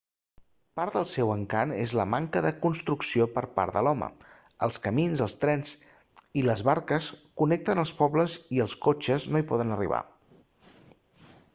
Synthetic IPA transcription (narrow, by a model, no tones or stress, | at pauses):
paɾðəlˠsɛwəŋkanezləmaŋkəðəkunst̪ɾuksiopəɾpa̰ɾðə̰lɔmə̰ | əlˠskəminzəlˠst̪ɾɛnz | iləzβaɾkəskunɛk̚t̪ənəlˠspɔβləziəlˠskot͡ʃəznoipɔðənərḭβ̞a̰